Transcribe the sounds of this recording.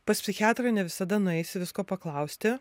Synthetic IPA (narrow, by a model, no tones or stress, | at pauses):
pɐspʲsʲɪxʲɑːt̪ɾɐnʲɛʋʲɪsɐd̪ɐnʊɛɪsʲɪʋʲɪskoːpɐklˠɐʊsʲt̪ʲɪ